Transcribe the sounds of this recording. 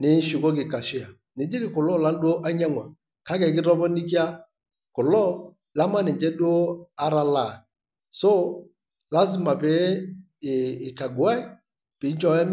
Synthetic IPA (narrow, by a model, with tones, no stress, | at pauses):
nɪ˨˦n˦ʃi˨kɔ˦k̬ɪ˨ka˨ʃɪ˦a˨ | nɪ˨d͡ʒi˦kɪ˨kʊ˨lɔ˦˨la˦n˦du˦o˦ʔa˦ɲa˦ŋwa̰˨ | ka˦kɛ˨kɪ˦ɾɔ˦bɔ˦ni˦k̬i˦a˦ | kʊ˨lɔ˦ | la˦ma˦nɪ˨ɲd͡ʒɛ˦du˦o˦a˦ɾa˦la˨ | so˦ | la˦s̬ɪ˦ma˨pɛ˨˦˨ | ɪ˨ka˨ɡu˨a˦ɪ˦ | pɪ˨˦n˦t͡ʃɔ˦ɛ˦m